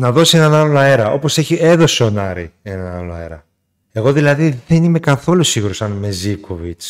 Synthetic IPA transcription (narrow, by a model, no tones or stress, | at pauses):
nɐðo̞sie̞nɐnɐloɐe̞ɾɐo̞po̞seçie̞ðo̞seo̞nɐɾie̞nɐnaloɐ̰e̞̰ɾɐ | eɣoðilɐðiðe̞nime̞kɐθo̞lusiɣuɾosɐnme̞zivkʰovit͡s